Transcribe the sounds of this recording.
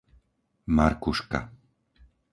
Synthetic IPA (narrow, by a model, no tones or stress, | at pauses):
maɾkuʃka̰